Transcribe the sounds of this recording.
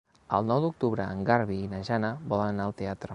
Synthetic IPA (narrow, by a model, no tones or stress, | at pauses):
ə̰lˠnɔwd̪uk̚t̪uβɾəəŋɡaɾβiːnəʒanəbɔlənənaːlˠt̪eat̪ɾə